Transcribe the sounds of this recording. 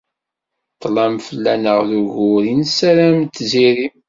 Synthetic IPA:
t̪ˤːlæmfəlːænəʁðuʝʊɾinsæɾæmt̪ːziɾim

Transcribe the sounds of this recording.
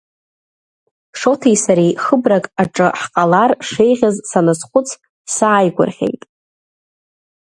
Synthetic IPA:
ʂo̞tʰejsaɾejχəbrakʼaʈ͡ʂʼɨħqʼalarʂe̞jʁʲazsanɨsχʷʊt͡sʰ | saʕajɡʷʊ̰rχʲḛjtʼ

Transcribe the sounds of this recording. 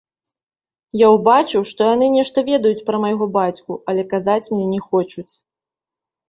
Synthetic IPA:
jawbat͡ʂɨwʂt̪ɔjan̪ɨnʲɛʂt̪ɐvʲɛd̪ɐjut͡sʲpɾɐmɐjɣɔbat͡sʲkuʔɐlʲɛkazat͡sʲmnʲɛnʲɛxɔt͡ʂut͡sʲ

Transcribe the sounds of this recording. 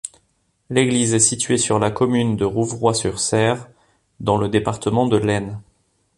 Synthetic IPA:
leɡlizɛsit̪ɥesyʁlakɔmynd̪əʁuvʁwasyʁsɛʁ | d̪ɑ̃ləd̪epaʁt̪əmɑ̃d̪əlɛn

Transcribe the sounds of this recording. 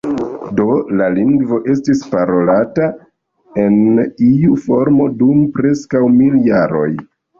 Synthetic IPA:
do̞laliŋɡvo̞ʔe̞stispaɾo̞lata | e̞niufo̞ɾmo̞dumpɾe̞skawmiljaɾo̞̰j

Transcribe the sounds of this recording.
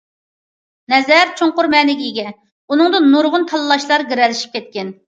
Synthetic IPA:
nɛzɛɾt͡ʃʰoŋqʊɾmɛːnɪɡʲiiɡʲɛ | unɨŋd̪ɨnːuɾʁʊnt̪ʰɑlˠɨlˠɑʃlˠɑɾɡʲiɾɛlɪʃi̥p̚kʲɛt̪̚kʲɛn

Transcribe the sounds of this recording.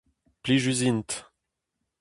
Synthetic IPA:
pliʒyzint̪

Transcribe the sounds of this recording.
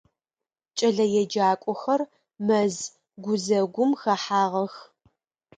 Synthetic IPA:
t͡ʃʼɐɮɐjɛd͡ʒaːkʷʼɔxɐr | mɐz | ɡʷʊzɐɡʷʊmxɐħaːʁɐx

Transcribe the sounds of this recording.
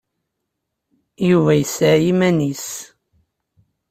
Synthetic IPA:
juvæjəsajimænis

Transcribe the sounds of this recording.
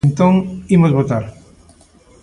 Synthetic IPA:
nt̪õŋimozβot̪aɾ

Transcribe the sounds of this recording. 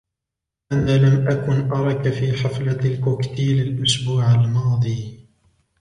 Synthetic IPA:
ʔanaːlamʔakʊnʔɑɾˤɑkafiːħaflalkʊkt̪iːlalʔʊsbuːʕalmɑːd̪ˤiː

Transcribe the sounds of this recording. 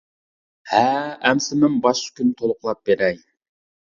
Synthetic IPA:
hæɛmsɪmɪnbɑʃkʲynɪt̪ʰolˠʊqlˠɑp̚b̥eɾɛj

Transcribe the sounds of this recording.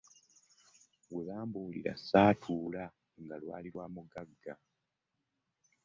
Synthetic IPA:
weβaːmbuːliɾa̰saːtʰuːla | ŋɡalwa̰ːliɾwamuɡaɡa

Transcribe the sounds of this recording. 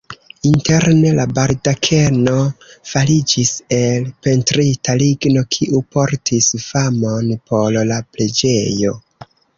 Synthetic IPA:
inte̞ɾne̞labaɾdakʰe̞no̞falid͡ʒise̞lpe̞ntɾitaliɡno̞kʰiʔupo̞ɾtʰisfamo̞npʰo̞llaple̞d͡ʒe̞jo̞

